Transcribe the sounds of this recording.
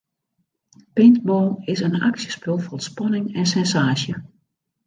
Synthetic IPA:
pɪntboːɪsəna̰ksjəspølˠfɔrətspɔnɪŋɛnsɛnsaːʃjə

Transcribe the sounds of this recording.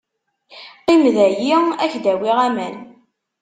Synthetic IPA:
qimðæjiæçd̪æwiʁæmæn

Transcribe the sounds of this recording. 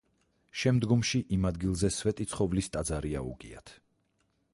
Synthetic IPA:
ʃɛmd̪ɡɔmʃiʔimad̪ɡilˠzɛsvɛt̪ʼit̪sʰχɔvlist̪ʼad̪zaɾia̰ṵɡʼia̰t̪ʰ

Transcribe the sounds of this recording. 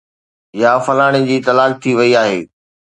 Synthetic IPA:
jafɐlaːɽ̃ɪd͡ʑiːt̪ɐlaːk̚t̪ʰiʋɐiaːɦḛː

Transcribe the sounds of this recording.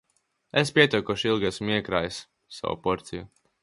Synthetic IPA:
espʲiɛt̪ukɔʃilˠɡasmiɛkɾa̰ːjsː | a̰wṵpɔɾt̪siju

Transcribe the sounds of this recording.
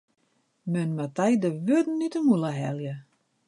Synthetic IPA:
mɛnmatajdəʋødn̩ːitəmulˠəɦɛ̰lˠjə

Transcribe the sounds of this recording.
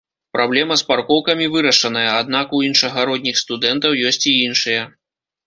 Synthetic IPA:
pɾablʲɛmɐsparkɔwkɐmʲivɨɾɐʂɐnɐjɐad̪nakuinʂɐɣɐɾɔd̪ʲnʲixst̪ud̪ɛnt̪ɐwjɔsʲt͡sʲiinʂɨjɐ

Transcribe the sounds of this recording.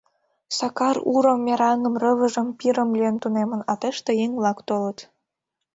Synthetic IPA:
sɑkɑruɾəmːeɾɑŋəmrəβəʒəmpiɾəmlʲijənt̪unemənɑt̪eʃt̪ejeŋβlɑkt̪olət̪

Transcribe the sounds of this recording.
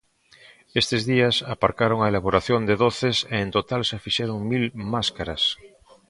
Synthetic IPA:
est̪ezðiasapaɾkaɾoŋaelaβ̞oɾaθjond̪eðoθeseːnt̪ot̪alsefiʃeɾoŋmilmaskaɾas

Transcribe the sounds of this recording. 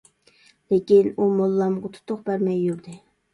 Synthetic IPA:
lekʲinumolˠːɑmʁɑt̪ʰu̥t̪ʰʊqbæɾmɛjːuɾd̪ɪ

